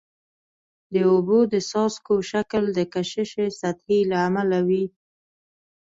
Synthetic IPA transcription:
d̪əobod̪əsɑskoʃakəld̪əkaʃəʃesat̪hilaːmalawi

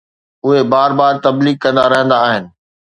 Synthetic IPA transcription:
ʊɦebaːɾbaːɾ̚t̪ɐbliːɡ̚kɐ̃nd̪a̰ɾɐɦə̃nd̪aːɦɪnɪ̆

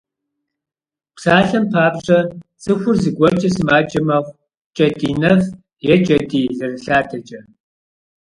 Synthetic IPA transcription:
psaːɬɐmpʰaːpɕʼɐt͡sʼɨxʷʊrzɨɡʷɔt͡ʃʼɐsɨmaːt͡ʃʼɐmɐχʷ | t͡ʃʼɐdiːnɐf | jɛt͡ʃʼɐdiːzɨrɨɬaːtʰɐt͡ʃʼɐ

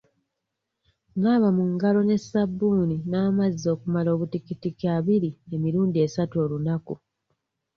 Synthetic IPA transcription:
ŋaβamuŋɡalo̞ne̞sabːuːninaːmazːo̞ːkumalo̞ːβutikitikjaːβiɾie̞miɾuːndie̞satuo̞ːlunaku

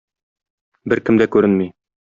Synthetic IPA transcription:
bɘɾkɘ̆md̪ækʉɾɘnmij

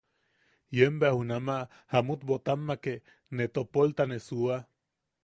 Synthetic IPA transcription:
jembeahunama | hamut̪bot̪amːake | net̪opolt̪anesua

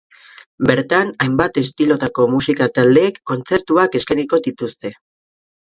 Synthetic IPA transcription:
be̞ɾt̪anajmbat̪e̞st̪ilo̞t̪ako̞musikat̪ald̪e̞ːkːo̞nt͡se̞ɾt̪uake̞skajniko̞d̪it̪ust̪e̞

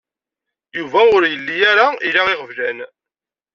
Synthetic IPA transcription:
juvæʊɾjəlːijaɾailaɪʁəvlæn

